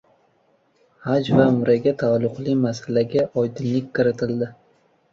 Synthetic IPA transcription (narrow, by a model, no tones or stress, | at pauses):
had͡ʒvaʊmɾaɡʲat̪ʰalˠːʊqlˠɪmasalaɡʲaʔɒjd̪ɪnlɪkʲkɪɾɪt̪ʰɪld̪ɪ